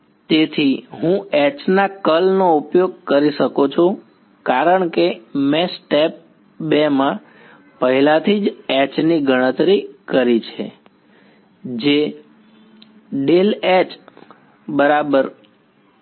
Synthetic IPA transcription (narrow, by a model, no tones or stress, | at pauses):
t̪et̪ʰiɦũɛt͡ʃnakəlnoupjoɡ̚kəɾiʃəkot͡ʃʰo | kaɾəɳkemẽsʈɛp̚ | bemã | pəɦilat̪ʰid͡ʒɛt͡ʃniɡʱəɽ̃ət̪ɾikəɾit͡ʃʰḛ | d͡ʒe | ɖelɛt͡ʃ | bəɾabəɾ